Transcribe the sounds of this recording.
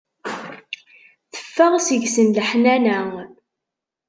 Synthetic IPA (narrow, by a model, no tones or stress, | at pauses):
θə̥fːəʁsəʝsənləħnænæŋ